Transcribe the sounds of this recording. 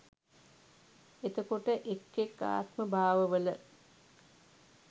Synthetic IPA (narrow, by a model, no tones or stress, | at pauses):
et̪əkoʈəʔekːekːa̰ːt̪məbʱaːʋəʋələ